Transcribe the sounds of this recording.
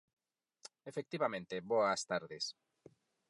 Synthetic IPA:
efek̚t̪iβamẽnt̪eβoast̪aɾðes

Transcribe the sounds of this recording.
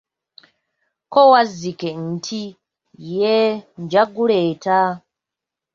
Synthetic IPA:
kɔwazikɛn̩tʰi | jɛnd͡ʒaɡuleta

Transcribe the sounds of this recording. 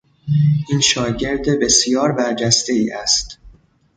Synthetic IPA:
ʔiːnʃɒːɟe̞ɾd̪ebe̞sjɒːɾbæɾd͡ʒæst̪e̞iːʔæst̪

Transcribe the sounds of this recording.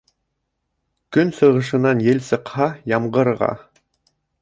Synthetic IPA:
kɵnsɤ̆ʁɤ̆ʃ̬ɤ̆nɑnjɘlsɤ̆qhɑjɑmɢɤ̆ɾʁɑ̰

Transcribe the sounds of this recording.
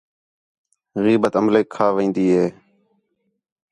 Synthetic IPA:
ɣiːbət̪əmleːkʰːaːʋĩːnd̪iːɦeː

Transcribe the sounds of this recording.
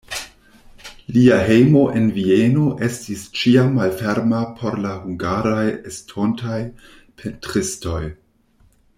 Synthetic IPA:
liaɦe̞jmo̞ʔe̞nvieno̞ʔe̞stist͡ʃiamːalfe̞ɾmapʰo̞ɾlahuŋɡaɾajestʰo̞ntʰaj | pʰentɾisto̞j

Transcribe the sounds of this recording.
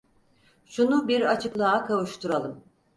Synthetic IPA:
ʃunubiɾat͡ʃʰɯklˠaakʰavuʃt̪ʰuɾalˠɯm

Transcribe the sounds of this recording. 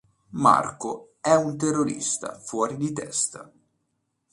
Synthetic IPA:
ma̰rko | ɛunt̪erːoɾḭst̪a̰fwɔːɾid̪it̪ɛst̪a̰

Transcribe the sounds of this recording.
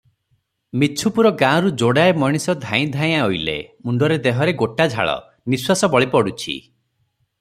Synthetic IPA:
mit͡ʃʰupuɾɔɡãɔɾud͡ʒoɽaemɔɽ̃isɔd̪ʱãj̃d̪ʱaj̃aojlḛmuɳɖɔɾed̪eɦɔɾeɡoʈad͡ʒʱa̰ɭɔ̰ | niswasɔbɔɭipɔɽut͡ʃʰḭ

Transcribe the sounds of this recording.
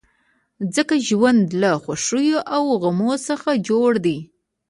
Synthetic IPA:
zəkaʒwand̪laxwaʂujoʔawɣamosəxad͡ʒoɽd̪i

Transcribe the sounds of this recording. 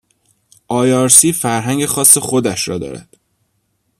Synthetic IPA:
ʔɒːjɒːɾsiːfæɾɦæŋɟe̞xɒːsːe̞xo̞d̪æʃɾɒ̰ːd̪ɒ̰ːɾæ̰d̪̥

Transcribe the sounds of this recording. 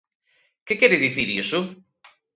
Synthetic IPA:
kekɛɾɪðiθiɾisʊ

